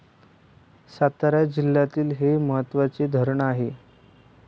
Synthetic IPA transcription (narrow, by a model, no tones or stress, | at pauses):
sat̪aɾjad͡ʑilːat̪iːlɦeməɦət̪ːʋat͡sed̪ʱəɾəɳaɦe